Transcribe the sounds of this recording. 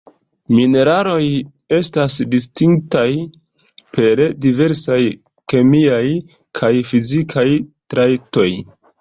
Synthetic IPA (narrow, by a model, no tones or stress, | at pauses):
mine̞ɾalo̞j | e̞stasdistiŋktaj | pʰe̞ɾdive̞ɾsaj | ke̞miaj | kʰajfizikʰajtɾajek̚to̞j